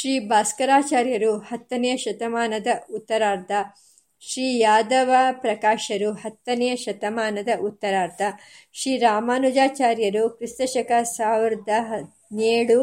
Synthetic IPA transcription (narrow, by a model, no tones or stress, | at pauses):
ʃɾiːbʱaːskɐɾaːt͡ʃaːɾjɐɾuhɐt̪ːɐnɛjɐʃɐt̪ɐmaːnɐd̪ɐut̪ːɐɾaːɾt̪ʰɐ | ʃɾiːjaːd̪ɐʋɐpɾɐkaːʃɐɾuhɐt̪ːɐnɛjɐʃɐt̪ɐmaːnɐd̪ɐʔut̪ːɐɾaːɾt̪ʰɐ | ʃɾiːɾaːmaːnud͡ʒaːt͡ʃaːɾjɐɾukɾist̪ɐʃɐkɐsaːʋiɾɐd̪ɐɦ | neːɽu